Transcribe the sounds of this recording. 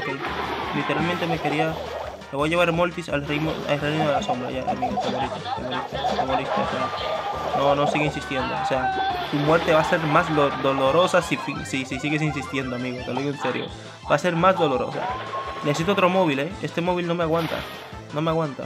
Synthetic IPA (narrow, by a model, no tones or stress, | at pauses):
kelit̪e̞ɾalment̪e̞me̞ke̞ɾia | meβo̞jaʝeβaɾmo̞lt̪isalrijmoa̰ereninoðelaso̞mbɾa̰ʝaʔa̰miɣot̪aβoɾit̪at̪aβolit̪ot̪emolist̪a̰oseano̞no̞siɣeinsist̪je̞nd̪oose̞at̪umwe̞ɾt̪e̞βase̞ɾmazðod̪o̞lo̞ɾo̞sasifisisisiɣe̞s̬ins̬ist̪je̞nd̪oamiɣot̪eloðiɣoense̞ɾjo̰ | b̥ase̞ɾmazðo̞lo̞ɾo̰sa̰neses̬it̪oo̞t̪ɾomo̞βileest̪e̞mo̞β̞ilno̞meaɣwant̪a̰ | no̞me̞aɣwant̪a̰